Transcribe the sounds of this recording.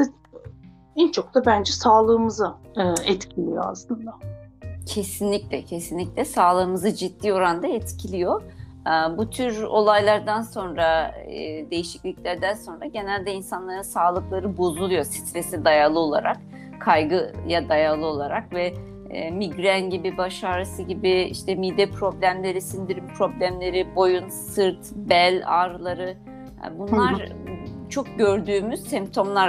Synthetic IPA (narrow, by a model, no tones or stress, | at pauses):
ɛnt͡ʃʰo̞k̚t̪ʰabænd͡ʒɛsaːlˠɯːmɯzaːɛt̪cʰilʲijoa̰slˠɯnd̪acʰe̞sinlʲiclʲɛcʰe̞sinlʲiclʲɛsaːlˠɯːmɯzɯd͡ʒit̪ːiːo̞ɾand̪aɛt̪cʰilʲijo̞ | ɯbut̪ʰyɾo̞̰lˠajlˠaɾd̪anso̞nɾa | d̪e̞jiʃiclʲicʲlʲæɾd̪ænso̞nɾaɟe̞nælʲd̪ɛinsanlˠaɾɯnsaːlˠɯklˠaɾɯbo̞zulˠujo̞si̥t̪ʰɾesid̪ajalˠɯo̞lˠa̰ɾak | kʰːajɡɯjad̪ajalˠɯo̞lˠaɾakvɛ | miɡɾænɟibibaʃaːɾasɯɟibiḭʃt̪ʰɛmid̪ɛpʰɾo̞blʲæmlʲe̞ɾisind̪iɾippʰɾo̞blʲæmlʲe̞ɾibo̞junsɯɾt̪bælʲaːɾlˠaɾɯ̰ | bunlˠaɾ | t͡ʃʰo̞k̚ɟø̞ɾd̪yːmyz̥sɛmp̚t̪ʰo̞mlˠa